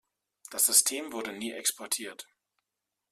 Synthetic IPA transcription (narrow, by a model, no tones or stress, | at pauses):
d̥asz̥ʏstʰeːmvʊɐdəniːʔɛkspʰɔɐtʰiːɐt